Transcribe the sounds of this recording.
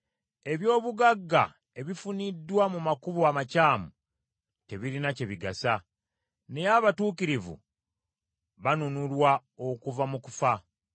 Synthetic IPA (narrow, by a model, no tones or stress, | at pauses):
e̞βjo̞ːβuɡaɡːa̰ | e̞βifunidːwamumakuβuamacaːmu | te̞βiɾinace̞βiɡasa | ne̞jaβatuːkiɾivṵ | βanunulwa | o̞kuvamuku̥fa